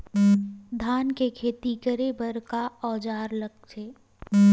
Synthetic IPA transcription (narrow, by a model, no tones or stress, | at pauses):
d̪ʱaːnkekʰeːt̪ikəɾebəɾkaɔːd͡ʒaːɾləɡ̚teː